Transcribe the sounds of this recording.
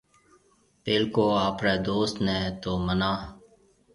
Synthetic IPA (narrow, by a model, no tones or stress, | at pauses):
peːlkoːaːpɾɛːd̪oːst̪nɛːt̪oːmənaː